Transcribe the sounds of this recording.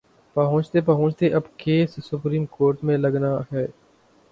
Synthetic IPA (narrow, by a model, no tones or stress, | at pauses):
pəɦʊ̃ːt͡ʃt̪eːpəɦʊ̃ːt͡ʃt̪eʔɐbkeːsːʊpɾiːmkoːɾʈmẽləɡnaːɦɛː